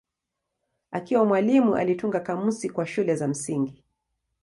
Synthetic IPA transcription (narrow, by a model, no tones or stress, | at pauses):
akiwamwalimuʔa̰lituŋɡakamusikwaʃulɛzam̩siŋɡi